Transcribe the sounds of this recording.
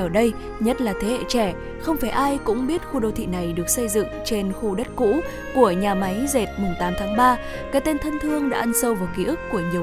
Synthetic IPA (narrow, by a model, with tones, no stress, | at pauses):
əː˧˩ɗə˧j | ɲə˦˥t̚laː˨˩t̪ʰe˨˦hḛ˧˨t͡ɕɛ˧˩ | xə˧wŋ͡mfaː˧˩jʔaː˧jkʊ̰˧˥ŋ͡mɓi˦˥ət̚xu˧ɗo˧˩wt̪ʰḭ˧˨na˨˩jɗɨ˨˩ək̚sə˧jzɨ̰˧˨ŋt͡ɕe˧nxu˧ɗə˦˥t̚kṵ˧˥ | ku˧˩əɲaː˨˩ma˨˦jze˨˩t̚mʊ˨˩ŋt̪aː˨˦mt̪ʰaː˨˦ŋɓaː˧ | kaː˨˥t̪e˧nt̪ʰə˧nt̪ʰɨ˧əŋɗa̰ː˧˥ʔə˧nsə˧wvaː˨˩kḭ˧˦˥ʔɨ˦˥kːu˧˩əɲi˨˩ə